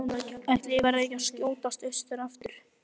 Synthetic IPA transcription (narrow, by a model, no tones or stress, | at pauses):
ɛht̪lɪvaɾaejcascjoːwt̪ast̪œst̪ʏɾaft̪ʏɾ̥